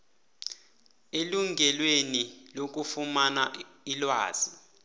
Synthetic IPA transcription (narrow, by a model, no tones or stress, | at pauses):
eluŋɡʱɛlwenilok̬ufumanailwaːz̥i